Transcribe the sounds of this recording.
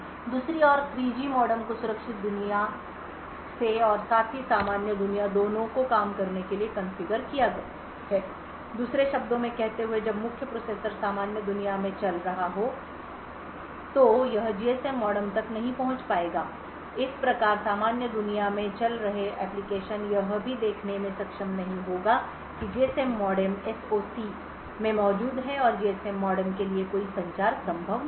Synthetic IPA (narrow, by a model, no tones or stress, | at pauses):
d̪uːsɾiɔːɾkʰɾiːd͡ʒimɔːɖəmkosʊɾəkʃɪt̪̚d̪ʊnija | seɔːɾsaːt̪ʰɦisaːmaːnjəd̪ʊnijad̪oːnõkokaːmkɐɾnekeliekɐ̃nfɪɡəɾkijaɡɐ | ɛː | d̪uːsɾeʃɐbd̪õmẽkɛɦt̪eɦued͡ʒɐbmʊkʰjəpɾoːseːɾsəɾsaːmaːnjəd̪ʊnijamẽt͡ʃɐlɾɐɦaɦo | t̪ojɐɦd͡ʒiːɛsɛmːɔːɖəmt̪ɐknɐɦĩpɐɦʊ̃t͡ʃpaːeːɡaː | ɪspɾɐkaːɾsaːmaːnjəd̪ʊnijamẽt͡ʃɐlɾɐɦeɛːplɪkeːʃənjɐɦbʱid̪eːkʰnemẽsɐkʃəmnɐɦĩɦoːɡaː | kid͡ʒeːɛsɛmːɔːɖəɾmɛsoːsi | mẽmɔːd͡ʒuːd̪ɦɛɔːɾd͡ʒiːɛsɛmːɔːɖəɾmkeliekoːisɐ̃ɲt͡ʃaːɾsɐ̃mbʱəʋ